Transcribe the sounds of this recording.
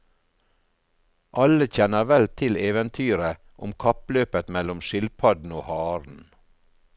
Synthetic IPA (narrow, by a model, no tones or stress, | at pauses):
ʔɑləçɛnəɾʋɛlt̪ʰɪleːʋənt̪ʰyːɾə | ʔʊmkʰɑpløːpət̪mɛlʊmʃɪlpʰɑd̪n̩oːhɑːɾn̩